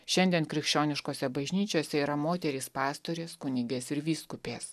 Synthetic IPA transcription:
ʃʲɛnʲd̪ʲiɛnkɾʲɪkʃʲt͡ʃʲoːnʲɪʃkoːsʲɛbɐʒʲnʲiːt͡ʃʲoːsʲɛiːɾɐmoːt̪ʲɛɾʲɪːspɑːst̪oɾʲeːskʊnʲɪɡʲeːsɪɾʋʲiːskʊpʲeːs

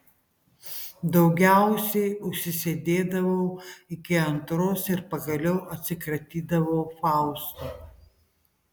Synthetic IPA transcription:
d̪ɐʊɡʲæˑʊsʲɛɪʊʃʲsʲɪsʲed̪ʲeːd̪ɐʋɐʊɪkʲɪɐnt̪ɾoːsɪɾpɐɡɐlʲɛʊʔɐt̪ʲsʲɪkɾɐt̪ʲiːd̪ɐʋoːfɑˑʊst̪oː

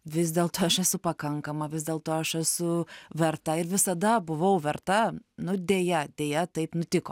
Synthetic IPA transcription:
ʋʲɪsʲd̪ʲeːlˠt̪oːɐʃɛsʊpɐkɐŋkɐmɐʋʲɪzʲd̪ʲeːlˠt̪oːɐʃɛsʊʋʲɛrt̪ɐɪɾʋʲɪsɐd̪ɐbʊʋɐʊʋʲɛrt̪ɐnʊd̪ʲeːjɛd̪ʲeːjɛt̪ɐɪpnʊt̪ʲɪkoː

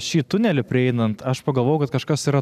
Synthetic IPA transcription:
ʃʲiːt̪ʊnʲɛlʲɪpʲɾʲɪɛɪnɐnt̪ɐʃpɐɡɐlˠʋoːjʊkɐt̪kɐʃkɐsiːɾɐ

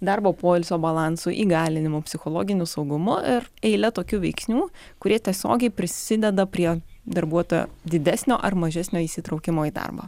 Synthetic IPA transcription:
d̪ɑɾboːpoːɪlʲsʲoːbɐlˠɑnsuʔḭːɡɑːlʲɪnʲɪmʊpʲsʲɪxolˠoːɡʲɪnʲʊsɒʊɡʊmʊɪɾɛɪlʲɛt̪oːkʲuːʋʲɛɪksʲnʲuː | kʊɾʲiɛt̪ʲiɛsʲo̰ːɡʲɛɪpʲɾʲɪsʲɪd̪ʲɛd̪ɐpʲɾʲiɛd̪ɐɾbuɔt̪oːjo̰ːd̪ʲɪd̪ʲæsʲnʲo̰ːʔɐɾmɐʒʲɛsʲnʲoːiːsʲɪt̪ɾɐʊkʲɪmoːiːd̪ɑ̰rbɐ̰ː

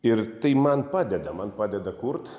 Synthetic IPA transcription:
ɪɾt̪ɐɪmɐnpɑːd̪ʲɛd̪ɐmɐnpaːd̪ʲɛd̪ɐkʊrt̪

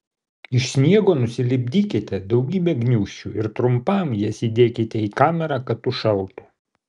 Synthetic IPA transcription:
ɪʃsʲnʲiɛɡoːnʊsʲɪlʲɪbʲd̪ʲiːkʲɪt̪ʲɛd̪ɒʊɡʲiːbʲɛɡnʲuːʃʲt͡ʃʲuɪɾt̪ɾʊmpɐmjiɛsʲiːd̪ʲeːkʲɪt̪ʲɛiːkɑːmʲɛɾɑːkɐt̪t̪ːʊʃɐlˠt̪ʊ

